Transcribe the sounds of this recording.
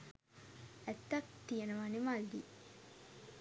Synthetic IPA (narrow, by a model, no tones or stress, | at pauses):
æt̪ːɐk̚t̪ijenəʋanimalːi